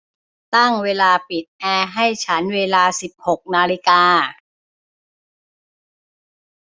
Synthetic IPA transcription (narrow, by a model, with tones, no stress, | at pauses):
t̪a˥˩ŋweː˧laː˧pi˨˩t̪̚ʔɛː˧ɦa˥˩jt͡ɕʰa˦˥nweː˧laː˧si˨˩p̚ho˨˩k̚naː˧li˧˦˥kaː˧